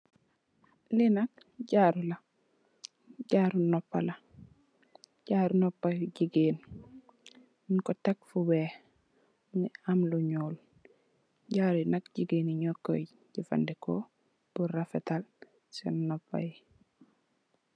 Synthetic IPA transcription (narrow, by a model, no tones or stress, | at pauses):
linak̚ | ɟaɾula | ɟaːɾunɔpːala | ɟ̥aɾunopːaɟiɡeːn | nkotak̚fuwe | niamluɲoːl | ɟaːɾuinak̚ɟiɡeːniɲokːo̰ | ɟifa̰ndeko | b̥uɾafetal | sḛnnopːa̰ji